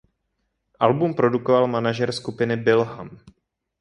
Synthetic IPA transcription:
ʔalbumpɾo̞dukovalmanaʒɛɾskupɪnɪbɪlɦam

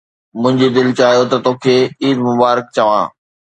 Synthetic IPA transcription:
mʊ̃ɦɪ̃ɲd͡ʑid̪ɪlt͡ɕaːɦijot̪ɐt̪oːkʰeːiːd̪mʊbaːɾɪk̚t͡ɕɐʋãː

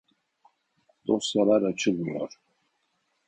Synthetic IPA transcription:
d̪̥osjalaɾat͡ʃʰɯlmijo̰ɾ

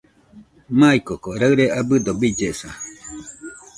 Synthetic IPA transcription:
maikokoɾaɨɾeʔabɨd̪obid͡ʒesa

